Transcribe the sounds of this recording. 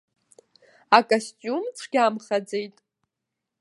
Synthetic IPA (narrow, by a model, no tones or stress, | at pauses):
akʼostʼumt͡sʷʰɡʲamχad͡zejtʼ